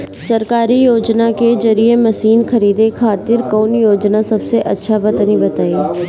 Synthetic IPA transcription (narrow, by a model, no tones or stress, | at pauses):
sɐɾkaːɾijoːd͡ʒnakezɐɾiemɐsiːnkɐɾiːd̪ekʰaːt̪ɪɾkɔːnjoːd͡ʒnasɐbseʔɐtːʃʰabɐt̪nibɐt̪aːi